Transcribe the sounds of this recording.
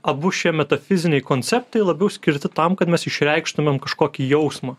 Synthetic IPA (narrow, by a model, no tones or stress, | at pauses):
ɐbʊʃʲiɛmʲɛt̪ɐfʲɪzʲɪnʲɛɪkoːnʲt͡ssʲɛp̚t̪ɐɪlˠɐbʲɛʊsʲkʲɪɾʲt̪ʲɪt̪ɐmkɐt̪mʲɛsɪʃʲɾʲɛɪkʃt̪ʊmʲɛmkɐʃkoːkʲiːjɛʊsmɑː